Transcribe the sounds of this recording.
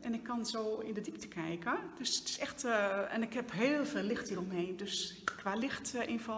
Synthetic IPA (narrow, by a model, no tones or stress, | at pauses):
ʔɛnɪkʰːɔnsoːɪndədiptə̥kʰɛjkəd̥østɪ̥sɛxtɛ̰nɪkhɛpɦeːlˠfeːlɪxthiːrɔmɦeːndøskʋalɪxtʔɪnfɔ